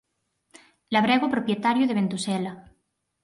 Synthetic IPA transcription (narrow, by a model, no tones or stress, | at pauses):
laβ̞ɾeɣopɾopjet̪aɾjuð̞eβ̞ent̪usela